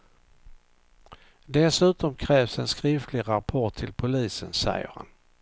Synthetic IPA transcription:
d̪ɛsʉ̟ːt̪ɔmkʰɾɛːvsɛnskɾɪft̪ʰlɪɾapʰɔʈʰːɪlpʰʊliːsənsɛ̰jə̰ɾha̰n

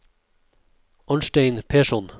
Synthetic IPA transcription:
ʔɔnʃʈeɪnpʰeːʃɔn

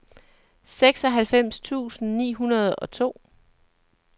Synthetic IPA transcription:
seɡ̥sɒ̽ɦælfem̰st͡sʰṵːsn̩nḭːɦunɐð̞̩ˠɒ̽t͡sʰo̝̰ː

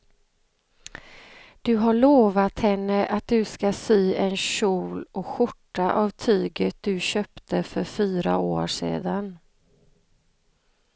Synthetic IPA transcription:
d̪̥ɵɦaɭoːvat̪hɛnːəʔat̪̚d̪ɵskasyːɛnɕuːlɔkɧʊʈːaʔavt̪ʰyːɡət̪̚d̪ɵɕœːpt̪əfœɾfyːɾa̰oːʂḛːd̪an

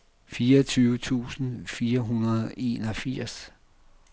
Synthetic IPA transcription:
fiːɐt͡sʰyːʊət͡sʰṵːsn̩fiːɐɦunɐð̩ˠe̝̰ːnɒfiɐ̰s

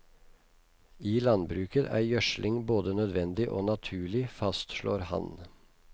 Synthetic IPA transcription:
iːlɑnbɾʉːkət̪ʰæ̰ɪjœʃlʔɪŋboːd̪ənœd̪ʋɛnd̪ɪʔo̰ːnɑt̪ʰʉːɭɪfɑst̪ʃlo̰ːɾhɑ̰n

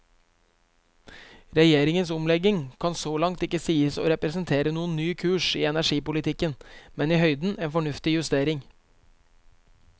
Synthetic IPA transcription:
ɾɛjeːɾɪŋənsʊmlɛɡɪŋkʰɑnsoːlɑŋt̪ɪkːəsiːəso̰ːɾɛpɾɛsn̩t̪ʰeːɾənuːənːyːkʰʉːʃiːɛnæʂiːpʊlɪt̪ʰɪkənmɛniːhœʏd̪n̩ʔeːnfɔɳʉft̪ɪjʉst̪eːɾɪŋ

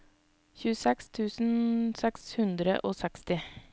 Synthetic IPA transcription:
çʉːəsɛkst̪ʰʉːsn̩sɛkshʉnd̪ɾə̰ʔoːsɛkst̪ɪ

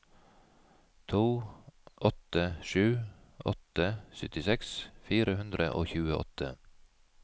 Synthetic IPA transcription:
t̪ʰuːʔɔt̪əʃʉː | ʔɔ̰t̪əsʏt̪ɪsɛksfiːɾəhʉnd̪ɾəʔo̰ːçʉːəʔɔ̰t̪ʰə̰

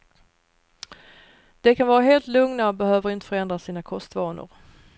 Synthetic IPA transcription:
d̪̥ɛkʰanvɑːɾaɦeːlt̪lɵŋnaɔbɛhøːvəɾɪnt̪ə̥fœɾɛnd̪ɾasiːnakʰɔst̪vɑːnʊ̰ɾ

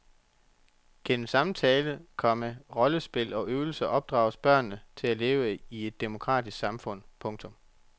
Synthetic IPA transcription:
ɡ̥ʰensɑ̈mt͡sʰɛːləð̩ˠkʰɒ̽məʁɒ̽ləsb̥e̝l̰ɒ̽ʔøːʊl̩səʔɒ̽b̥̚d̥ʁɑ̰̈ʊsb̥ɶɐ̰nːət͡sʰe̝læleːʊəie̝d̥ːemo̝kʰʁɑ̰̈ːd̥ʰisɡ̥sɑ̈mfɔ̽n̰pʰɔ̽ŋt͡sʰɔ̽m

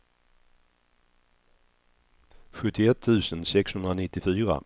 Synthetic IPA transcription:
ɧɵt̪ːɪɛt̪ʰːʉ̟ːsənsɛkshɵnd̪ɾanɪt̪ːɪfyːɾa̰

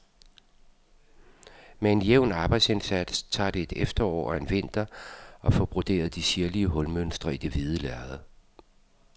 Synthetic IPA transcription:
mee̝njeʊnɑ̈ːb̥ɑ̈ɪd̥se̝nsæd̥st͡sʰɑ̰̈ːd̥e̝e̝d̥efd̥ɐɒ̰ːɒe̝nʋe̝n̰d̥ɐʔɒ̽fɒb̥ʁod̥e̝̰ːɐð̞ˠd̥isiɐliəɦɔ̽lmønsd̥ʁɐid̥e̝ʋiðˠəlæɐðˠ

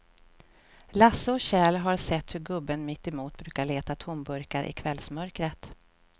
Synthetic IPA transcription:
lasːəɔɕɛːlɦaɾsɛt̪ːhɵɾɡɵbːənmɪt̪ːɛmuːt̪̚bɾʉ̟ːkaɭeːt̪at̪ʰʊmbɵɾkaɾʔɪ̰kʰvɛlsmœɾkɾət̪

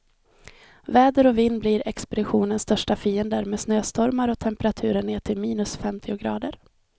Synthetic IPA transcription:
vɛːd̪əɾɔviːnbliːɾɛ̰kspɛd̪ɪɧuːnənst̪œʂʈafiːɛnd̪əɾmeːsnøːst̪ʰɔɾmaɾɔt̪ʰɛmpɛɾat̪ʰʉ̟ːɾəɳeːʈʰɪlmiːnɵsfɛmt̪ʰɪʊɡɾɑ̰ːd̪əɾ

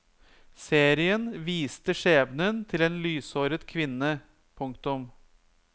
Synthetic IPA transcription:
seːɾɪənʋiːst̪əʂeːbnənt̪ʰɪleːnlyːsoːɾət̪kʰʋɪnːə | pʰʊŋkt̪ʊm

